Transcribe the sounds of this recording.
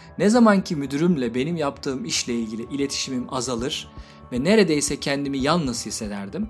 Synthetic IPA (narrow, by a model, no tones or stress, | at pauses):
nɛzamancʰimyd̪yɾymlʲɛbe̞nimjapt̪ʰɯːmiʃlʲɛilʲɟʲilʲiʔilʲe̞t̪ʰi̥ʃimimazalˠɯɾ̥ | vɛneɾe̞d̪ejsɛcʰɛnd̪imijalˠnɯzhise̞d̪æɾd̪im